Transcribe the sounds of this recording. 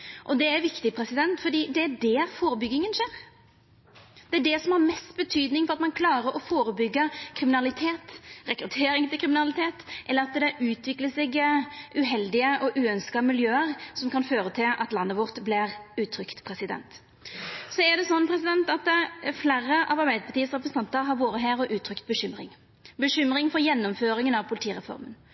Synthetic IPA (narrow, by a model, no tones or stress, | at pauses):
ʔɔd̪ɛæɾʋɪkt̪ɪpʰɾɛsɪd̪ɛnt̪fɔd̪iːd̪ɛæɖɛfoːɾəbʏɡːɪŋənʂeːɾ | d̪̥ɛæɖɛsɔmhɑʁmɛst̪bət̪ʰyːd̪nɪŋfɔʁɑt̪mɑnkʰlɑːɾəɾɔfoːɾəbʏɡːəkʰɾɪmɪnɑlɪt̪ʰeːt̪ʁɛkɾʉt̪ʰeːɾɪŋt̪ɪlkʰɾɪmɪnɑlɪt̪ʰeːt̪ʔɛlːəɾɑt̪d̪ɛʔʉːt̪ʰʋɪkləsɛɡʔʉɦɛld̪ɪəʔɔʔʉːœnskɑmɪljøːəɾsɔmkʰɑnføːɾət̪ʰɪlʔɑ̰t̪lɑnːəʋɔʁt̪blɪɾʉːt̪ʰːɾʏkt̪pʰɾɛsɪd̪ɛ̰nt̪ | sɔæd̪ɛsɔnːpʰɾɛsɪd̪ɛnt̪ɑt̪ɛflæːɾəʔɑʋɑɾbæɪd̪əpʰɑʁt̪iːəsʁɛp̬ɾəsn̩t̪ɑnt̪əɾɦɑɾʋoːɾəɦæːɾɔʔʉːt̪ʰɾʏkt̪̚bəɕʏmɾɪŋ | bəɕʏmɾɪŋfɔɾjɛnːɔmføːɾɪŋənɑʋpʰʊlɪt̪iːɾɛfɔ̰ɾmən